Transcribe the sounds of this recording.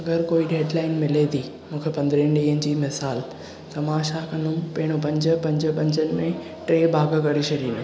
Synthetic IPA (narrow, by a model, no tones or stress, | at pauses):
ɐɡəɾkoːiɗeːɖlaːɪnmɪlet̪ʰiː | mũːkʰepɐ̃nd̪ɾənɗiːɦənɪ̆d͡ʑiːmɪsaːl | t̪ɐmãːʃakɐ̃nd̪ʊmpeːɪɽ̃opɐ̃ɲd͡ʑə̆pɐ̃ɲd͡ʑə̆pɐ̃ɲd͡ʑənɪ̆mẽ | ʈɾeːbʱaːɡəkɐɽeʃɐɾiːnʊ